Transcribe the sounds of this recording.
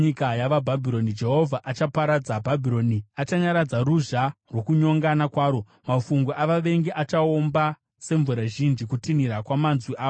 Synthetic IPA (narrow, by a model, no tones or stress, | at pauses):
ɲikajaʋabʱabʱiɾo̞nid͡ʒe̞ɦo̞vʱaʔat͡ʃapaɾad͡zabʱabʱiɾo̞ːniat͡ʃaɲaɾad͡zaruʒarwo̞kuɲo̞ŋɡanakwaːɾo̞ | mafuŋɡoʔaʋaʋe̞ŋɡeʔat͡ʃao̞mba | se̞ɱvuɾaʒind͡ʒikutiniɾakwamanzwiʔaːo